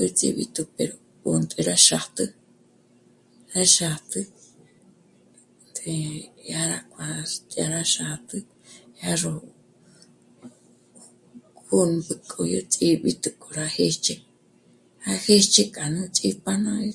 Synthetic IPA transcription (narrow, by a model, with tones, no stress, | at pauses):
ɨ˦t͡sʼḭβḭt̪u˧pe˨ɾo˨ | unt̪ʼi˧ɾa˦ʃa˨t̪ɨ˦ | ɾa˦ʃa˨t̪ɨ | t̪e˧ja˦ɾakʰʷʼa˨tʼja˧ɾa˦ʃa˨t̪ɨ˦ | ha˦ro | hu˦nbɨ˧kʼʰo˨jot͡sʼiɓḭt̪u˧kʼo˨ɾa˧he˦t͡ʃe˦ | ha˦he˦t͡ʃe˦kʼa˨nɨ̃t͡sʼi˦pa˦nã